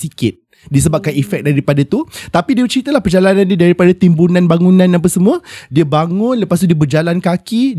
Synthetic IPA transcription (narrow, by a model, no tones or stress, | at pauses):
sikɪt̪̚ | dis̬əbap̚kanifɛk̚daɾipadat̪ut̪apidiət͡ʃɾit̪əlahpərd͡ʒalanãndiədaɾipadat̪imbunãnbaŋunãnap̬asəmũədiəbaŋʊ̃nləpas̬t̪udiəbərd͡ʒalankaki